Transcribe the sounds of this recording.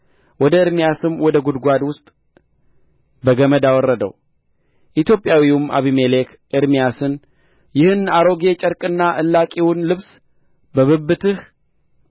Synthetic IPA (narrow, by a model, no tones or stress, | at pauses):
wɔd̪əɨɾmijasɨmwɔd̪əɡud̪ɡʷad̪wʊst̪ʼ | bəɡəməd̪awɔrːəd̪ə̰w | ʔit̪jo̞pʼjawiuma̰βimelekʰ | ʔɨɾmijasɨn | jɪhɨnaɾo̞ɡe̞t͡ʃʼəɾkʼɨnːaʔɨlːakʼiwʊnlɨβs | bəβɨbːɨt̪ʰɨh